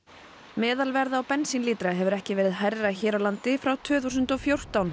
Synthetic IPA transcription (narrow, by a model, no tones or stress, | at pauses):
mɛːðalvɛɾðaːwpɛnsinliːt̪ɾaɦɛvʏɾɛhcɪvɛːɾɪðɦajɾðaçɛːɾawlant̪ɪfɾawt̪ʰʏːθusʏnt̪ɔfjowr̥t̪awn